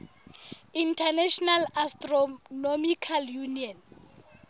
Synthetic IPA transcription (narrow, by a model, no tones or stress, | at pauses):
intʰanɛʃɔnalastʼrɔnomikʰaljuniɔn